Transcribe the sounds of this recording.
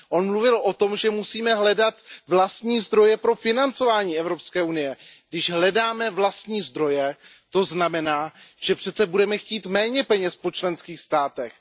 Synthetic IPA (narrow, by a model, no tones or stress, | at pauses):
ʔo̞nmluvɪlʔo̞t̪o̞mʒɛmusiːmɛɦlɛdat̪vlast̪ɲiːzd̪ɾo̞jɛpɾo̞fɪnant͡so̞vaːɲiːɛvɾopskɛːʔunɪjɛɡdɪʒɦlɛdaːmɛvlast̪ɲiːzd̪ɾo̞jɛ | t̪o̞znamɛnaːʒ̥ɛpr̥ɛt̪t͡sɛbudɛmɛxciːt̪mɛːɲɛpɛɲɛspo̞t͡ʃlɛnskiːxst̪aːt̪ɛx